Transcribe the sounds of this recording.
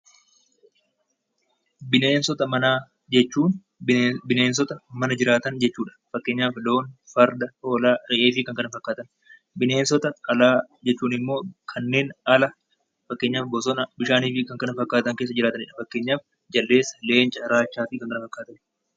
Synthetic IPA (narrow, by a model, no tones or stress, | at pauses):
bɪneːnsɔt̪ɐmɐnaː | d͡ʒɛt͡ʃːuːn | bɪneːns̬ɔt̪ɐmɐnɐd͡ʒɪɾaːt̪ɐnd͡ʒɛt͡ʃːuːᶑɐ̥fɐkːe̞ːɲːaːflo̞ːnfɐɾd̪ɐʔo̞ːlaːɾɛʔeːfɪkɐŋkɐnɐfɐkːaːt̪ɐn | bɪneːnsɔt̪ɐɐlaːd͡ʒɛt͡ʃːuːnɪmːo̞ːkʰɐnːe̞ːnɐlɐ | fɐkːe̞ːɲːaːfbɔs̬ɔnɐbɪʃaːniːfɪkɐŋkɐnɐfɐkːaːt̪ɐŋke̞ːs̬ːɐd͡ʒɪɾaːt̪ɐnɪᶑɐfɐkːe̞ːɲːaːf | d͡ʒɐlːe̞ːsːɐ̥le̞ːnt͡ʃʼɐɾaːʃːaːfiːkɐŋkɐnɐfɐkːaːt̪ɐn